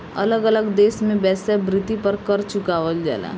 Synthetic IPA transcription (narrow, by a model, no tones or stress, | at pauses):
ɐləɡələɡd̪eːsmẽbɛːsebɾɪt̪ipɐɾkɐɾt͡ʃʊkaːʋəld͡ʒa̰ːla̰ː